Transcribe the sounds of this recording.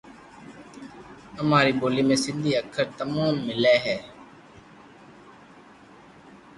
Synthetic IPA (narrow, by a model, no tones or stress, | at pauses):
əmaːɾiːɓoːliːmẽːsɪnd̪ʱiːəkʰəɾt̪əmãːnmɪlɛːɦɛː